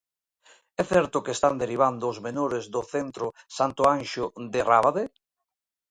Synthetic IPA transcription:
ɛθɛɾt̪ʊkest̪and̪eɾiβand̪ʊːzmenoɾezd̪ʊθent̪ɾʊsant̪ʊanʃʊðeraβaðe

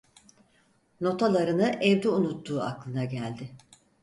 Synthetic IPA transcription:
no̞t̪ʰalˠaɾɯnɯʔɛvd̪iunut̪ːuːa̰klˠɯnaɟælʲd̪ɪ

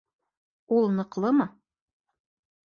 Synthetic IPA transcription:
ulˠnɤ̆qlˠɤmɤ

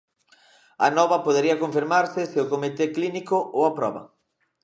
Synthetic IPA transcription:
ɐnɔβɐpoðeɾiɐkoɱfiɾmaɾsɪsɪʊkomit̪eklinikoʔowɐpɾɔ̰βɐ̰

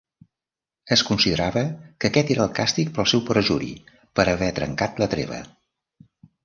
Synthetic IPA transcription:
əskunsiðəɾaβəkəkɛt̪eɾəːlˠkast̪ik̚pəlˠsɛwpəɾəʒuɾḭ | pəɾəβɛt̪ɾə̰ŋkat̪lət̪ɾḛβ̞ə̰

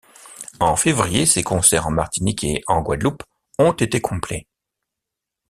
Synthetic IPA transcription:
ɑ̃fevʁijesekɔ̃sɛʁɑ̃maʁt̪inikʰeʔɑ̃ɡwad̪lup | ɔ̃t̪et̪ekʰɔ̃plɛ

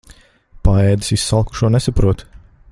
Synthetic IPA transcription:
paɛːd̪ɨ̥sisːalˠku̥ʃuɔnɛsapɾuɔt̪

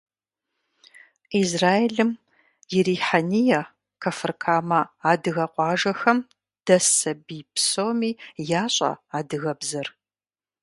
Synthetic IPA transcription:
iːzraːjeɮɨm | jɪɾiːħanijɐ | kʰɐfɨrkʰaːmɐaːdɨɣɐqʷʼɑːʒɐxɐm | d̥ɐsɐbiːpsoːmiːjaːɕʼɐ̰aːdɨɣɐbzɐr

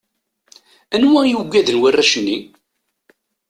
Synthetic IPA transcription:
ænwæjuɡʷːæðənwərːæʃnːi

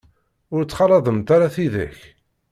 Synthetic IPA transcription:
ʊɾt͡sːχɑɾˤɑðˤəmt̪aɾaθiðæ̰ç

